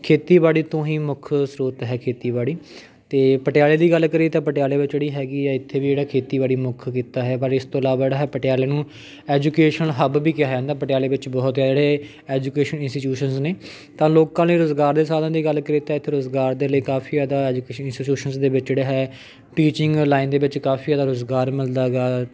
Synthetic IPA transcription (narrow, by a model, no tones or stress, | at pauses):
kʰeːt̪iːbaːɽiːt̪õːɦĩːmʊkʰsɾoːt̪ɦɛːkʰeːt̪iːbaːɽiː | t̪eːpəʈɪjaːleːd̪iːɡəlkəɾiːt̪ãːpəʈɪjaːleːʋɪt͡ʃeɽiːɦɛːɡiːaːɪt̪ʰːeːʋiːd͡ʒeːɽaːkʰeːt̪iːbaːɽiːmʊkʰkiːt̪aːɦɛːpəɾɪst̪õːɪlaːbd͡ʒeːɽaːɦɛːpəʈɪjaːleːnũː | ɛːd͡ʒuːkeːʃənɦəbbiːkɪjaːãːnd̪aːpəʈjaːleːʋɪt͡ʃbɔːt̪jaːd͡ʒeːɽeː | ɛːd͡ʒuːkeːʃənɪnsʈiːʈjuːʃənzneː | t̪ãːloːkãːneːɾʊzɡaːɾd̪eːsaːd̪ãːd̪iːɡəlkəɾiːt̪aːɪt̪ʰːeːɾʊzɡaːɾd̪eːləiːkaːpʰiːɛːd̪aːɛːd͡ʒukeːʃənɪnsʈiːʈuːʃənzd̪eːʋɪt͡ʃd͡ʒeːɽeːɦɛː | ʈiːt͡ʃɪ̃ŋɡlaːɪnd̪eːʋɪt͡ʃkaːpʰiːɛːd̪aːɾʊzɡaːɾmɪld̪aːɡaː